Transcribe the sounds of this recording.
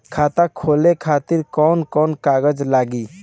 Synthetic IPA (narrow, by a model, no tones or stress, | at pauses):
kʰaːt̪akʰoːlekʰaːt̪iɾkɔːnkɔːnkaːɡəd͡ʒlaːɡi